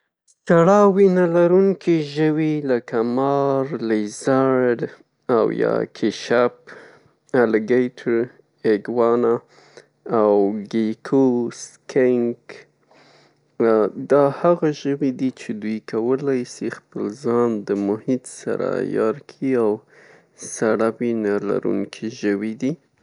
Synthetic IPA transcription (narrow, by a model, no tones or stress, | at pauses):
t͡ʃaɽɑwinalaɾuŋkʰiʒəwilakamɑɾlezaɾɖ | awjɑ̰kʰeʃap | alɪɡejʈʰəɾ | eɡwɑnaː | wɡekʰoskʰeŋk | d̪ɑhaɣaʒəwid̪it͡ʃed̪ujkawəlɑjsixpəlzɑnd̪əmʊhit̪sa̰ɾa̰jɑ̰ɾkʰiaw | saɽabinala̰ɾṵŋkʰiʒəwid̪i